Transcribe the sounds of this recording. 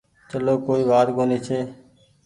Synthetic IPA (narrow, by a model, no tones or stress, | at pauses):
t͡ʃəloːkoːiːʋaːd̪koːniːt͡ʃʰeː